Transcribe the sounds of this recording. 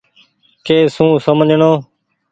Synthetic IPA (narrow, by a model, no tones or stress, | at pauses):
keːsũːsəmd͡ʒʱɳoː